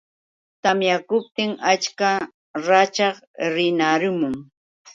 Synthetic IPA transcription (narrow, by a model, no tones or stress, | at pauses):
t̪amjakʊp̚t̪ɪŋat͡ʃka | ɾat͡ʃɑχ | ɾɪnaɾʊmʊŋ